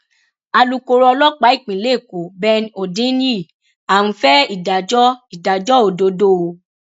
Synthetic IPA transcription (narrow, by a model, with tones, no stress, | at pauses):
a˧lu˨ko˨˧ɾɔ˧lɔ˦k͡pa˨˦i˦˨k͡pĩ˨le˦˨ko˨bɛ˧no˨dĩ˦nĩ˦˨ | a˨w̃ũ˧fɛ˦i˦˨da˨d͡ʒɔ˦i˨da˨d͡ʒɔ˦o˨do˨˦do˦˨˧